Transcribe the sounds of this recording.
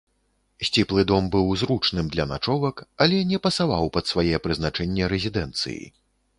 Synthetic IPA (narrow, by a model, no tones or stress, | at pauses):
sʲt͡sʲiplˠɨd̪ɔmbɨwzɾut͡ʂnɨmd̪lʲɐnat͡ʂɔvɐkɐlʲɛnʲɛpɐsavawpɐt̪svajɛɛpɾɨznat͡ʂɛnʲːɛɾɛzʲid̪ɛnt̪sɨ̰jḭ